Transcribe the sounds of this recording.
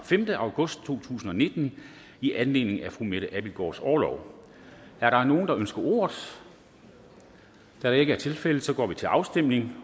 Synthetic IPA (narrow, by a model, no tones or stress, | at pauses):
femd̥əʔɑ̈ʊɡ̥ɔ̽sd̥̚t͡sʰo̝̰ːt͡sʰṵːsn̩ɒ̽ne̝d̥n̩ | iʔænle̝̰ːne̝ŋ̩æfʁumeɾ̥əʔæb̥ilɡ̥ɒ̰ːsɒːlɒʊ̰ | æɐɾɑ̈no̝ːn̩d̥ɑ̈ʔønsɡ̥ɐʔo̝̰ːɐð̩ˠ | d̥æɾɑ̈e̝ɡəæɐt͡sʰe̝lfel̰əsɒ̽ɡ̥ɒ̰ːʋit͡sʰe̝lʔɑ̈ʊsd̥em̰ne̝ŋ